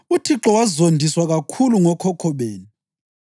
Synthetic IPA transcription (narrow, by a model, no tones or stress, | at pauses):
utʰiǁɔwazondʱiswaɣakʰuluŋɔkʰɔkʰɔβeːnu